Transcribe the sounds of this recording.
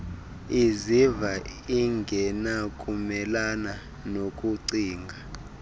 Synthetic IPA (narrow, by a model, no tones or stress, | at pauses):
izivaiŋɡʱɛnakʼumɛlana | nokʼuǀiːŋɡʱa